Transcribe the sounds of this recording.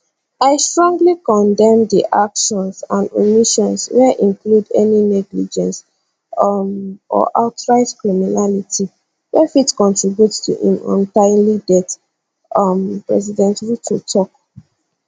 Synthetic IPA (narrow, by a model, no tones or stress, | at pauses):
aɪstɹɔ̃ŋɡlikɔ̃ndɛ̃md̪iʔakʃɔ̃nsãndo̰miʃɔ̃nswɛʔĩnkludɛ̰ninɛɡlid͡ʒɛ̃ns | mɔ̰ʔaʊtɹaɪtkɹiminaliti | wɛfitkɔ̃ntɹibjutstʰṵhḭ̃mɔ̰̃ntãɪnlidɛt | mpɹɛzidɛ̃ntɹitʰutʰɔk̚